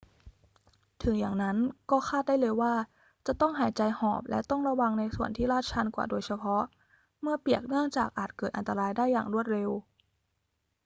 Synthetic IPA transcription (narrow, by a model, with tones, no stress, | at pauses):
t̪ʰɯ˩˦jaː˨˩ŋna˦˥nkɔː˥˩xʰaː˥˩t̪̚daː˥˩jlɤː˧jwaː˥˩ | t͡ɕa˨˩t̪ɔ˥˩ŋɦaː˩˦jt͡ɕa˧jhɔː˨˩p̚lɛ̰˦˥t̪ɔ˥˩ŋɾa˧wa˧ŋna˧jsu˨˩ənt̪ʰiː˥˩ɾaː˥˩t̪̚t͡ɕʰa˧nkwa̰ː˨˩doː˧jt͡ɕʰa˧pʰɔ˦˥ʔ | mɯ˥˩ɐpi˨˩ək̚nɯ˥˩əŋt͡ɕaː˨˩k̚ʔaː˨˩t̪̚kɤː˨˩t̪̚ʔa̰˧nt̪a˧ɾaː˧jdaː˥˩jːa̰ː˨˩ŋɾu˥˩ət̪̚ɾe˧w